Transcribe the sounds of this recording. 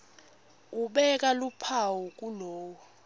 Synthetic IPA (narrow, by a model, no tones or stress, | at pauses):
uɓɛk̬ʼalupʰawɔk̬ʼuloːwɔ